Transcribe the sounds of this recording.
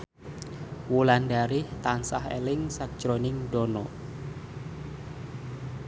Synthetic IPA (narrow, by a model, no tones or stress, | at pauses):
wulandaɾɪht̪ansaɦḛlɪŋsak̚d̥ʒ̥ɾonɪŋd̥ɔnɔ